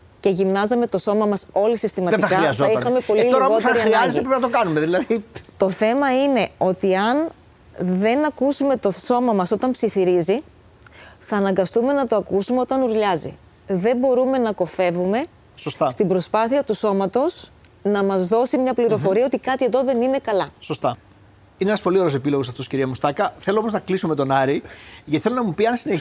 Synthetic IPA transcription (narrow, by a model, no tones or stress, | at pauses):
ce̞ʝimnɐzɐme̞t̪o̞so̞mɐmɐso̞lisist̪imɐt̪iɐkɐɾiɐzoixɐme̞po̞liloɾɐɣoteɾiɐnɐtiepɾenɐt̪okɐnumeðilɐðit̪o̞θe̞mɐine̞o̞t̪iɐn | ðe̞nɐkusume̞t̪o̞so̞mɐmɐso̞t̪ɐmpsiθiɾizi | θɐːnɐŋɡɐst̪ume̞nɐt̪o̞ɐkusumeo̞t̪ɐnuɾʎɐzḭ | ðe̞mbo̞ɾume̞nɐko̞fe̞vume̞ | sost̪ɐst̪imbɾo̞spɐθiɐt̪uso̞mɐt̪o̞s | nɐmɐzðo̞simɲɐpliɾo̞fo̞ɾiɐot̪ikɐt̪ieðo̞ðe̞nine̞kɐlɐso̞st̪ɐ | ineenɐspo̞lioesepilo̞ɣos̬ɐft̪o̞sciɾiɐmust̪ɐkɐθe̞loomoznɐklisumet̪o̞nɐɾiʝɐt̪i̥θelonɐmupiɐnsine